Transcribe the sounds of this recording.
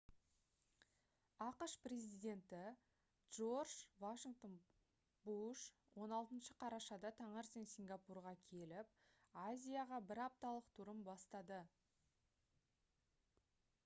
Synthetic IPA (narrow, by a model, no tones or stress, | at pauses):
ɑqəʃpre̞zijd̪e̞nt̪ɪ | dʒ̥orʒvaʃiŋɡt̪o̞n | buʃ | wo̞nɑlˠt̪ənʃəqʰɑɾɑʃɑd̪ɑt̪ʰɑɴəɾsiŋsʲiŋɡapurʁɑkʲʰe̞lɪp̚azʲijaʁɑbɪɾɑp̚t̪ɑlˠəqt̪ʰʊɾəmbɑst̪ɑd̪ə